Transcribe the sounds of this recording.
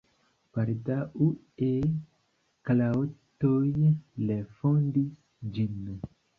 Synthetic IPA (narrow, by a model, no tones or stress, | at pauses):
paɾdaʔu | e | klatojlefondis | d͡ʒin